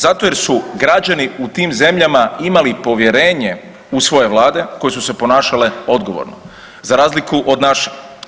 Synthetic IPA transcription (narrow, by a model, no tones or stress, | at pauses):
zat̪o̞jeɾsuɡɾad͡ʑaniut̪iːmze̞mʎamaimalipo̞ʋje̞ɾe̞ːɲe̞ | usʋo̞je̞ʋlˠaːd̪e̞ko̞je̞suse̞po̞naːʃaleo̞d̪ɡo̞̰ʋo̰ɾno | zaɾaːzlikuʔo̞d̪naʃe̥